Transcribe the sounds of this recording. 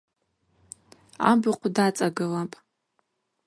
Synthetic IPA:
a̰bɨqʷʰdat͡sʼaɡɨlapʼ

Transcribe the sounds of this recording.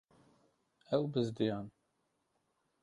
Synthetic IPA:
ɛwbɨzd̪ijɑːn

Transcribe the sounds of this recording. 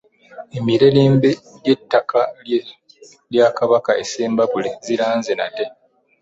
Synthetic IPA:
emiɾeleːmbeɟetːaka | ljakaβakaeseːmbaβuleziɾaːnzenate̞

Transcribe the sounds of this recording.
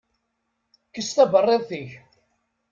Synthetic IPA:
kːəst̪æbərˤːeðˤθiç

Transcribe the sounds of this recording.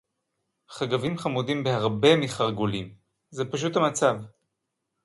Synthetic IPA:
χaɡavimχamud̪imbehaʁbe̞miχaʁɡulim | zepaʃ̬uthamat͡sav

